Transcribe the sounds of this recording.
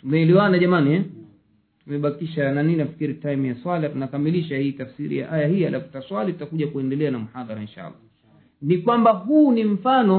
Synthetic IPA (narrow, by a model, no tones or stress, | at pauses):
tumɛliwanaʄamaniɛ | tumɛɓakiʃananininafi̥kiɾitajimjaswaliatunakamiliʃahiːtafsiɾḭja̰ʔajahialʔafu̥taswalitutakuʄakuɛndɛlɛanamuhaðaɾainʃa̰lːa̰ | nikwambaɦuːnim̩fanɔ